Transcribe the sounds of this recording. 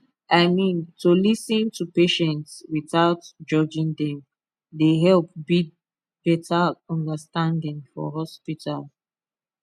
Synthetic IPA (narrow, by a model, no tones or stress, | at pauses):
aɪmĩntʰulisĩntʰupeʃɛ̃ntswiθaʊtd͡ʒɔd͡ʒĩŋdɛ̃m | deɦɛlp̚bid̚ | b̥ɛtʰaɔ̃ndəstãndĩŋfɔ̰ɦɔspitʰal